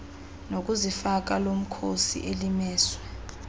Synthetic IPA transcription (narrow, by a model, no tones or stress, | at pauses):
nok̬ʼuzifak̬alom̩kʰosḭʔelimɛːswɛ